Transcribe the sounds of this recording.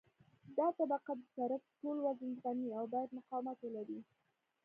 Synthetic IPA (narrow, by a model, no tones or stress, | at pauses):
d̪ɑt̪abaqad̪əsaɾafʈolwazənɣaniawbɑjad̪mʊqɑwmat̪elaɾi